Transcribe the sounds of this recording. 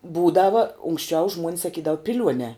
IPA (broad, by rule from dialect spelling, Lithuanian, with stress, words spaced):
ˈbuːdɐʋɐ ʊŋksʲˈt͡ʃʲɛʊ ʒmuɔnʲs sɐˈkʲiːdɐʋʊ pʲɪˈlʲuɔnʲɛː